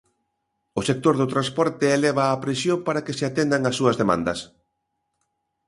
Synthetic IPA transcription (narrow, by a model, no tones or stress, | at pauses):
ʊsek̚t̪oɾðʊt̪ɾanspɔɾt̪ɪːleβ̞aːpɾesjompaɾakeseat̪end̪aŋasːuɐzðemã̰nd̪ɐs